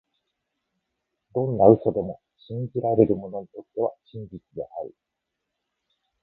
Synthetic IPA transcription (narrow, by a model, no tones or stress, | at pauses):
d̪õ̞nːaɯ̟so̞d̪e̞mo̞ | ɕĩɲd͡ʑiɾaɾe̞ɾɯ̟mo̞no̞ɲit̪o̞t̪ːe̞βaɕĩɲbʲit͡sɨd̪e̞ʔaɾɯ̟